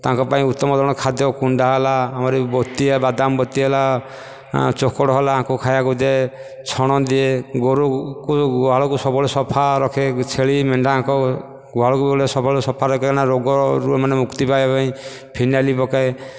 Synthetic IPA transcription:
t̪ãŋkɔpaĩut̪ːɔmɔd̪ʱɔɽ̃ɔkʰad̪jɔkuɳɖaɦɔlaːmaɾebɔt̪iebad̪ambɔt̪iɦɛla | t͡ʃokɔɽɔɦɔlãːkukʰajakud̪e | t͡ʃʰɔɽ̃ɔd̪ieɡoɾukuɡɔɦaɭɔkusɔbɔɭesɔpʰaɾɔkʰet͡ʃʰeɭimeɳɖaãŋkɔ | ɡɔɦaɭɔkubiɔɭesɔpʰaɭsɔpʰaɾɔkenaɾoɡɔɾumanemukt̪ipajpaĩ | pʰinalipɔkae

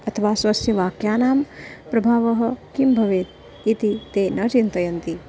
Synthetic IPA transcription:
ɐt̪ʰɐʋaːsʋɐsjɐʋaːkjaːnaːmpɾɐbʱaːʋɐɦɐ̆kimbʱɐʋeːt̪ | it̪it̪eːnɐt͡ʃint̪ɐjɐnt̪i

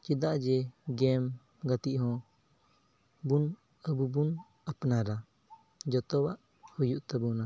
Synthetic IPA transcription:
t͡ʃid̪aʔd͡ʒɛɡɛm | ɡat̪iʔɦɔ̃ | bun | əbubun | apnaɾa | d͡ʒɔt̪ɔwaʔ | hujuʔt̪ɛbuna

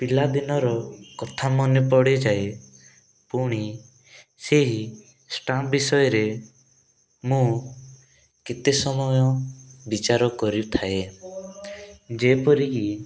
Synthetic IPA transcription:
pilad̪inɔɾɔkɔt̪ʰamɔnepɔɽed͡ʒae | puɽ̃i | seɦi | sʈambisɔjɔɾe | mũ | ket̪esɔmɔjɔbit͡ʃaɾɔkɔɾit̪ʰae | d͡ʒepɔɾiki

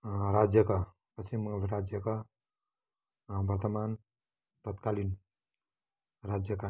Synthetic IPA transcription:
ɾad͡ʒjəkʌ | pəsʰimːəŋəlɾad͡zjəkʌ | bʱʌɾt̪əman | t̪ət̪kalin | ɾad͡zjəkʌ

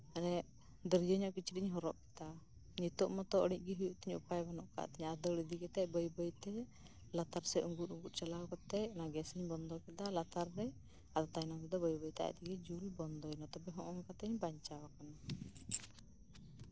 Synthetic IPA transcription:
anɛ | d̪əɾjəɲɔʔkit͡ʃʰitiɲɦɔɾɔʔkɛ̥t̪a | ɲit̪ɔʔmɔt̪ɔʔəɽic̚ˀɡiɦujuʔt̪iɲṵpajbanɔʔka̰ʔt̪ɛɲad̪əɽid̪iɡɛt̪ɛcbəjbəjt̪ɛ | lat̪aɾsɛʔuŋɡut̪uŋɡut̪̚ˀt͡ʃalawkɔt̪ɛjɔnaɡɛsəɲbɔnd̪ɔkɛd̪alat̪aɾdɛ | ad̪ɔt̪ajnɔŋkɛd̪ɔbəjbəjt̪a̰t̪iɡɛd͡ʒulibɔnd̪ɔɛnɔt̪ɔbɛɦɔ̃ʔɔŋkat̪ɛɲbaɲt͡ʃawakana

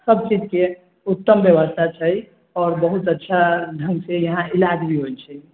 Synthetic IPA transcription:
səb̚t͡ʃid͡ʒke | ut̪ːəmbjəʋəst̪ʰat͡ʃʰəj | ɔːɾbəɦut̪ətːʃʰad̪ʱəŋɡsejəɦãilad͡ʒbʱiɦot͡ʃʰəj

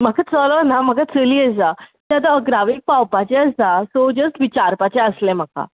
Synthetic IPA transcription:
m̤əɡat͡sɔlənam̤əɡat͡səliəd͡zat̪jat̪aəɡɾaʋik̚pawpat͡ɕɛ̃əsasod͡ʑəsʈʋit͡ɕaɾpat͡ɕɛəslɛ̃m̤əka̰

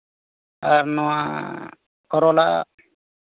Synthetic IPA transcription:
aɾnɔwa | kɔɾɔla̰

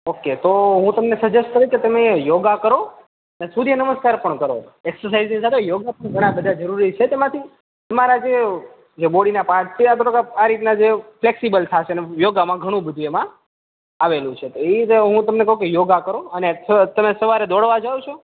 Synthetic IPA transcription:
okːet̪oɦũt̪əmnesəd͡ʒesʈ̚kəɾjũket̪əmejoɡakəɾo | ənesud̪ʱijenəməskaɾpəɳkəɾo̰eksəɾsaiznisat̪ʰejoɡapɡʱəɽ̃ãbəd̪ʱad͡ʒəɾuɾit͡ʃʰet̪emãt̪ʰi | t̪əmaɾad͡ʒe | d͡ʒeboɽinapaʈt͡ʃʰeat̪ʰoʈəkaaɾit̪nad͡ʒefleksibəlt̪ʰat͡ʃʰenejoɡamãɡʱəɽ̃ũbəd̪ʱuemã | aʋelũt͡ʃʰet̪oet̪ɦũt̪əmnekəɦũkejoɡakəɾoənesət̪əmesəʋaɾed̪ɔɽʋad͡ʒawt͡ʃʰo

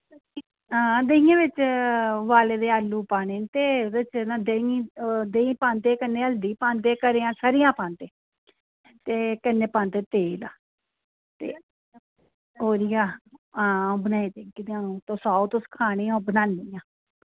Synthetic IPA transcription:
ɦãːd̪eːĩãːʋɪt͡ʃʋaːleːd̪eːaːlːuːpaːneːnt̪eːd̪ɪt͡ʃnad̪eĩd̪eĩːpãːnt̪eːkənːeːəld̪iːpãːnt̪eːkəɾeːãːsaːɾɪjãːpãːnt̪eː | t̪eːkənːeːpãːnt̪eːt̪eːla̰ː | t̪ḛː | ɦoːɾɪjãːãːbənaːĩːt̪eːkɪd̪ãːnũːt̪õːsaːot̪oskʰaːɽ̃eːõːbənaːnːiːjãː

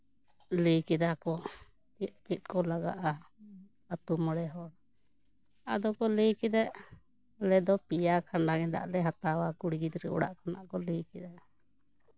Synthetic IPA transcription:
ləjkɛd̪akɔ | t͡ʃit̪̚t͡ʃit̪̚ˀkɔlaɡa̰ʔa | at̪umɔɽɛɦɔɽ | a̰d̪ɔkɔləjkɛd̪aʔ | lɛd̪ɔpijakʰaɳɖaɡɛd̪a̰ʔlɛɦat̪awakuɽɡid̪ɾɛʔɔ̰ɽa̰ʔkanaʔkɔləjkɛd̪aʔ

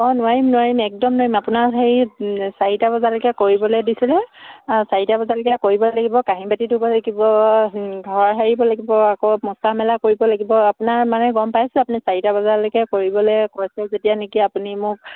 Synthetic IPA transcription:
ɔnʊaɹimnʊwaɹimɛk̚dɔmnʊaɹimapunaɹɦejsaɹitabɔzalɔkɛkoɹibɔlojdisilɛsaɹitabɔzalɔkɛkoɹibɔlaɡibɔkaɦibatidubɔlaɡibɔ | ɡʱɔɹɦaɹibɔlaɡibɔakomɔsamɛlakoɹibɔlaɡibɔapunaɹmanɛɡɔmpajsɛapunisaɹitabɔzalokɛkoɹibɔlejkɔsɛzetijanekiapunimʊk̚

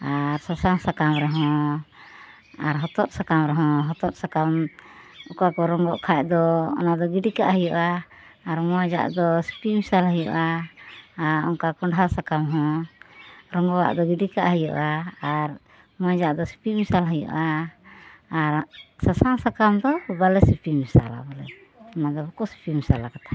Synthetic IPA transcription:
aɾsasaŋsakamɾɛɦɔ̃ | aɾɦɔt̪ɔt̪̚sakamɾɛɦɔ̃ɦɔt̪ɔt̪̚sakam | ukakɔɾɔŋɡɔʔkʰaʔ̚d̪ɔɔ̰nad̪ɔɡiɖikaʔɦəjɔʔaː | ɾmɔjd͡ʒa̰ʔd̪ɔsi̥pimisalɦəjɔʔa | aɾɔ̰ŋkakɔɳɖɦasakamɦɔ̃ | ɾɔŋɡɔwa̰ʔd̪ɔɡiɖikaʔɦəjɔ̰ʔaːɾ | mɔjd͡ʒaʔd̪ɔsi̥pimisalɦəjɔ̰ʔaː | ɾsasaŋsakamd̪ɔbalɛsipimisa̰la̰bɔlɛ̰ | ɔnad̪ɔbɔkɔsi̥pimisalakat̪ʰḁ

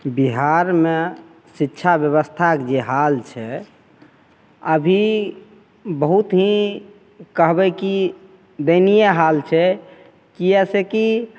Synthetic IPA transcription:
biɦaɾme | sitːʃʰabjəβəst̪ʰakd͡ʒeɦalt͡ʃʰɛ | əbʱi | bəɦut̪ɦĩ | kəɦbɛki | d̪enijaɦalt͡ʃʰɛ | kiɛseki

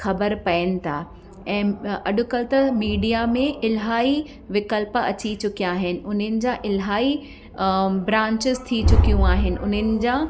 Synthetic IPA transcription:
xɐbəɾpɐjənɪ̆t̪ʰaː | ɛ̃ːɐɗʊ̆kɐlt̪ɐmiːɖijamẽʔɪlɦaːi | ʋɪkəlpɐ̰t͡ɕit͡ɕʊkijaːɦɪnɪ̆ʊnənɪ̆d͡ʑãʔɪlɦaːi | bɾãːɲt͡ɕɪzt̪ʰit͡ɕʊkijũaːɦɪnɪ̆ʔʊnənɪ̆d͡ʑãː

